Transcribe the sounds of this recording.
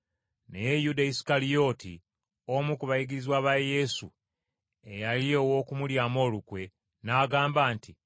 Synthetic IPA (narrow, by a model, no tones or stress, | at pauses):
nejejudaisi̥kalijo̞ːtḭ | omukuβajiɡiɾizwaβaje̞su | ejalio̞wo̞ːkumuljaːmo̞ːlukwe̞ | naːɡaːmbaːnti